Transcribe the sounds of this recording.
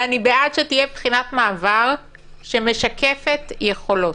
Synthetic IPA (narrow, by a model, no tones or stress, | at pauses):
anibeʔatʃet̪ijebχinat̪maːvaʁ | ʃe̞meʃakʰefetjeχo̞lo̞t